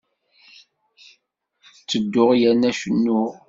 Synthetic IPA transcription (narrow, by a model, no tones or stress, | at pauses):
t͡sːəd̪ːʊʁjænæʃənːʊ